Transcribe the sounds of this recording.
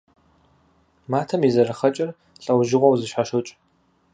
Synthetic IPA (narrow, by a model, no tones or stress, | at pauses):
maːtʰɐmizɐɾɨχɐt͡ʃʼɐr | ɬʼɐwʒɪʁʷɔwzɨʃħaʃɨt͡ʃʼ